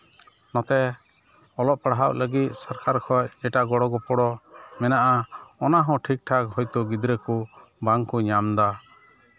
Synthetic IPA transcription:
nɔt̪ɛ | ɔlɔʔ̚paɽɦawʔləɡit̪̚saɾkʰaɾkʰɔjɛʈaɡɔɽɔɡɔpɔɽɔmɛnaʔaɔnaɦɔ̃ʈʰik̚ʈʰakɦɔjt̪ɔɡid̪ɾɛkɔbaŋkɔɲamd̪a

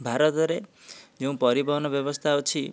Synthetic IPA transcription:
bʱaɾʌt̪ɾe | d͡zuw̃pʌɾibʌɦnʌbjʌbʌst̪ʰaot͡sʰi

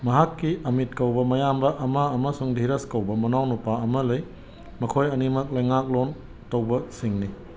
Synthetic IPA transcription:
mɐɦakːiɐmit̚kɐwbɐmɐjambɐʔɐmɐɐmɐsuŋdʱiɾɐskɐwbɐmɐnawnupaɐmɐlɐj | mɐkʰojɐnimɐk̚lɐjŋak̚lon | tɐwbɐsiŋni

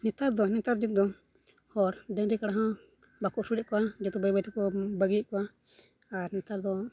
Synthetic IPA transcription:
nɛt̪aɾd̪ɔnɛt̪aɾd͡ʒɔd̪ɔ | hɔɾɖɛŋɾɛkaɽaɦɔ̃ | bakɔʔsuɾɛʔkɔad͡ʒɔt̪ubajbat̪ukɔbaɡikɔa | aɾnɛt̪aɾd̪ɔ

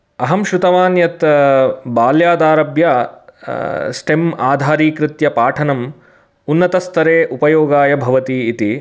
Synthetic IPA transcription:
ɐɦɐmʃɾut̪ɐʋaːnjɐt̪ | baːljaːd̪aːɾɐbjɐ | sʈemaːd̪ʱaːɾiːkɾɪt̪jɐpaːʈʰɐnɐm | unːɐt̪ɐst̪ɐɾeːʔupɐjoːɡaːjɐbʱɐʋɐt̪iːt̪i

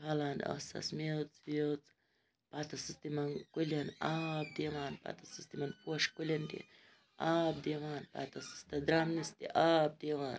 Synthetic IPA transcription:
halano̰sa̰smjot͡sbjot͡s | pat̪asɨst̪imankʷilanab̚d̪imanpa̰t̪asist̪imanpoʃkʷilʲand̪ḭ | ab̚d̪iamanpa̰t̪asi̥st̪ad̪ɾamnist̪ḭʔab̚d̪iawan

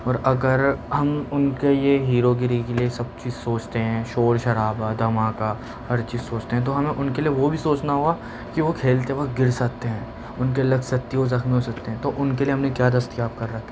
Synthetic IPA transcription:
ɔːɾɐɡəɾɦɐmʊnkejeɦiːɾoɡɪɾikeliesɐb̚t͡ʃiːzsoːt͡ʃt̪eɦɛ̃ːʃoːɾʃɐɾaːbad̪ɐmaːka | hɐɾt͡ʃiːzsoːt͡ʃt̪eɦɛ̃t̪oɦɐmẽʔʊnkelieʋobʱisoːt͡ʃnaɦua | kiʋokʰeːlt̪eʋɐt̪̚ɡɪɾsɐk̚t̪eɦɛ̃ː | ʊnkelɐɡsɐk̚t̪iɦozɐxmiɦoːsɐk̚t̪eɦɛ̃ːt̪oʔʊnkelieɦɐmnekjaːd̪ɐst̪ijaːp̚kɐɾːɐkʰːeɛː

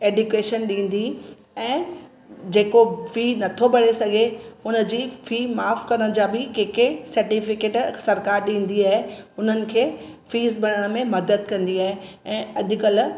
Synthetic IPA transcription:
eːɖʊkeːʃənɗĩːn̆d̪i | ɛ̃ː | d͡ʑeːkofiːnɐt̪ʰobɐɽesɐɡʱeʊnə̆d͡ʑiːfiːmaːfkɐɾəɽ̃̆d͡ʑaːbɪkeːkesɐɾʈiːfɪkeːʈsɐɾkaːɾɗĩːn̆d̪iaːɦeʊn̤ənɪ̆kʰeːfiːzbɐɾəɽ̃̆mẽmɐd̪əd̪̚kɐ̃nd̪iaːɦeɛ̃ːɐʄʊ̆kəl

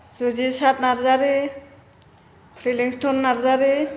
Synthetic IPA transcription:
zuzisat̚naɾzaɾi | pʰɾiliŋstʰɔnːaɾzaɾi

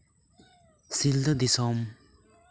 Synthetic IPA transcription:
sild̪əd̪isɔm

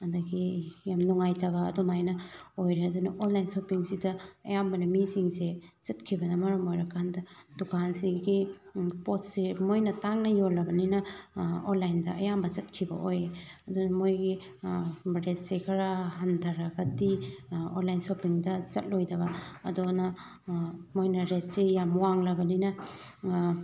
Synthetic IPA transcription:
ɐdɐɡijamnɔŋajtʰɐβɐ̰ːdomajnɐojɾeɐdunɐʔonlajnsopiŋsidɐɐ̰jambɐnɐmiziŋset͡ʃɐtkʰibɐnɐmɐɾɐmojɾɐkʰandɐd̥ukʰansiɡipot̚semojnɐtaŋnɐjolɐbɐninɐonlajndɐʔɐ̰jambɐzɐt̚kʰibɐ̰ʔojeɐdonɐmojɡi | ɾet̚sekʰɐɾaɦɐndʱɐɾaɡɐdionlajnsopiŋdɐzɐt̚lojdɐbɐɐ̰donɐ | mojnɐɾet̚sejamwaŋlɐbɐninɐ

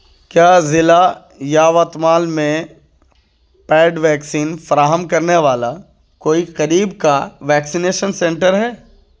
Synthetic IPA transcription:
kjaːzɪla | jaːʋət̪maːlmẽ | pɛːɖʋɛːksiːnfɐɾaːɦəmkɐɾneʋaːla | koːiqɐɾiːb̚kaʋɛːksineːʃənsẽɳʈəɾɦɛː

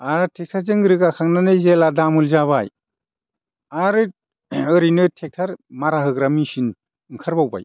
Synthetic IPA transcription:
aɾtʰek̚tʰaɾzɯŋɡɯɾɯkakʰaŋnanɯzeladamulzaβaj | aɾɯ | ɯɾinɯtʰek̚tʰaɾmaɾaɦɯɡɾamisin | ɯŋkʰaɾbawba̰j

